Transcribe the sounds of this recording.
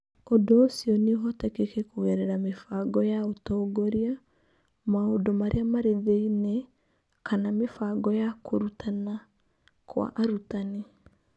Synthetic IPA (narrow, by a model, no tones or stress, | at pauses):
odoːsiɔniɦɔtɛkekɛkowɛɾɛɾamefaɡɔjaotɔːɡoɾia | maodomaɾʔeamaɾeðeinɛ | kanamefaɡɔjakʰoɾutʰana | kʰwa̰ʔaɾutane